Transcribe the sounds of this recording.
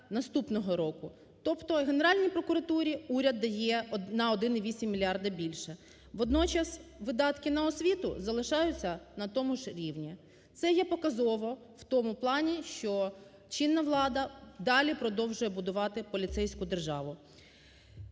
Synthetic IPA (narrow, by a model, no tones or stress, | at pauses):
nɐst̪upnɔɦɔɾɔkʊ | t̪ɔpt̪ɔɦene̞ɾɑlʲnʲijpɾɔkʊɾɐt̪uɾʲiuɾʲɐd̪ːɐjɛnɐɔd̪ɪniʋʲisʲimʲːilʲiɑrd̪ɐbʲilʲʃɛ | ʋɔd̪nɔt͡ʃɐsʋɪd̪ɑt̪kɪnɐɔsʲʋʲit̪ʊ̰zɐlˠɪʃɑjʊt͡sʲːɐnɐt̪ɔmʊʒɾʲiʋnʲi | t̪sɛjɛpɔkɐzɔʋɔ | w̥t̪ɔmʊplˠɑnʲiʃt͡ʃɔ | t͡ʃinːɐʋlˠɑd̪ɐd̪ɑlʲipɾɔd̪ɔwʒʊjɛbʊd̪ʊʋɑt̪ɪpɔlʲit̪sɛjsʲkʊd̪erʒɑʋʊ